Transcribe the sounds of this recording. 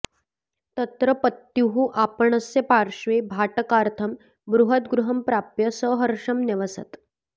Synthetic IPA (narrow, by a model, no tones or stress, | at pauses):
t̪ət̪ɾəpət̪ːjuɦuʔapəɳəsjepaɾʂʋebʱaʈəkaɾt̪ʰəm | bɾuɦət̪ɡɾuɦəmpɾapjəsəɦəɾʂɐmnjeʋəsət̪